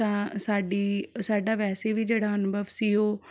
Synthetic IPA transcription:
ãːsaːɖiːsaːɖaːʋɛːseʋiːd͡ʒeːɽaːɦənbəʋsɪɦoː

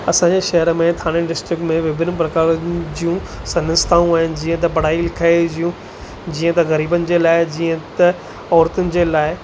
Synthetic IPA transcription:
ɐsãːɲd͡ʑeʃɐɦəɾəmẽt̪ʰaːɽ̃ɪɖɪsʈɾɪkmẽʋɪbɪnp̬ɾɐkaːɾd͡ʑijũsɐnə̃sɪ̥t̪ʰaːũaːɦɪnɪ̆d͡ʑiːə̃t̪ɐpɐɽ̤aːilɪkʰaːed͡ʑijũ | d͡ʑiːə̃t̪ɐɣɐɾiːbənɪ̆d͡ʑeːlaːɪd͡ʑiːə̃t̪ɐ | ɔːɾt̪ʊnɪ̆d͡ʑeːlaːɪ

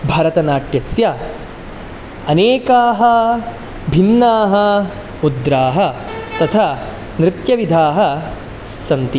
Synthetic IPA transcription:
bʱɐɾɐt̪ɐnaːʈjɐsjɐ | ɐneːkaːɦɐ | bʱinːaːɦɐ | ud̪ɾaːɦɐt̪ɐt̪ʰa | nɾɪt̪jɐʋid̪ʱaːɦɐ̆ | sɐnt̪i

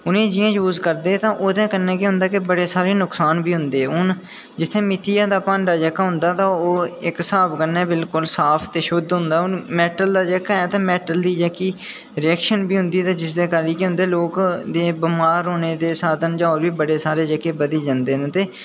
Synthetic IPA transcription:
ʊnẽːd͡ʒɪjãːjuːzkəɾd̪eːt̪ãːʔoːt̪ɛ̃ːkənːɛ̃ːkɪɦʊ̃nd̪aːkɪbəɽeːsaːɾeːnʊksaːnbiːɦʊ̃nd̪eːɛʊn | d͡ʒɪt̪ʰːeːmɪt̪ʰijaːd̪aːpãːɳɖaːd͡ʒəːkaːɦʊ̃nd̪aːt̪ãːoːɪksaːbkənːɛːbɪlkʊlsaːpʰt̪eːʃʊd̪ɦʊ̃nd̪aːʊnmɛːʈəld̪aːd͡ʒɛːkaːɛːt̪ãːmɛːʈəld̪iːd͡ʒɛkiː | ɾɪɛːkʃənbiːɦʊ̃nd̪iːt̪ãːd͡ʒɪsd̪eːkaliːkiɦʊ̃nd̪eːloːkd̪eːbəmaːɾɦoːneːd̪eːsaːd̪ənd͡ʒãːɔːɾʋiːbəɽeːsaːɾeːd͡ʒəkeːbəd̪iːd͡ʒãːnd̪eːñːt̪eː

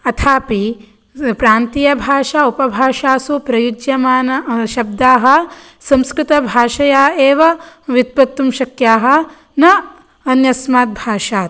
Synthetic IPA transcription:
ɐt̪ʰaːpi | pɾaːnt̪ijɐbʱaːʃaːupɐbʱaːʃaːsupɾɐjud͡ʒjɐmaːnɐʃɐb̚d̪aːɦɐ̆ | sɐ̃mskɾɪt̪ɐbʱaːʃɐjaːeːʋɐʋit̪̚pɐt̪ːumʃɐkjaːɦɐ̆ | nɐ | ɐnjɐsmaːt̪̚bʱaːʃaːt̪̚

